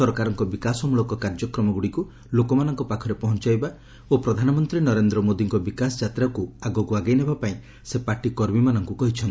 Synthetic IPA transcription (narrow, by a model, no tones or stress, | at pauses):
sɔɾɔkaɾɔŋkɔbikasɔmuɭɔkɔkaɾd͡ʒɔkɾɔmɔɡuɽiku | lokɔmanɔŋkɔpakʰɔɾepɔɦɔnt͡ʃajba | opɾɔd̪ʱanɔmɔnt̪ɾinɔɾend̪ɾɔmod̪iŋkɔbikasɔd͡ʒat̪ɾakuaɡɔkuaɡajnebapaĩ | sepaʈikɔɾbimanɔŋkukɔɦit͡ʃʰɔn